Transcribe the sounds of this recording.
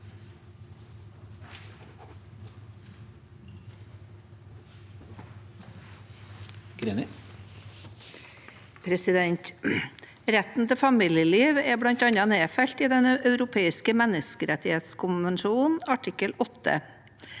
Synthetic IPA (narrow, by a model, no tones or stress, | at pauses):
ɡ̥ɾen | pʰɾɛsɪd̪ɛnt̪ | ɾɛt̪n̩t̪ʰəfɑmiːljəliːʋeːblɑnt̪ɑɲɑneːfɛʎt̪iːd̪ɛnʔɑʉɾʊpʰeːɪskəmɛnəskəɾɛt̪ɪheːt̪skʰʊnʋɛnʃuːnn̩ɑʈʰɪkəlɔt̪ʰːə̰